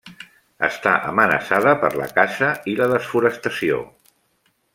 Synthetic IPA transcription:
ə̰st̪aʔəmənə̰saðəpəɾlə̰kaʃəiləðəsfuɾəst̪əsio̰

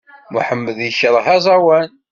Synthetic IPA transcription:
muħəmːəðjəʃəɾˤɦæzˤɑwæn

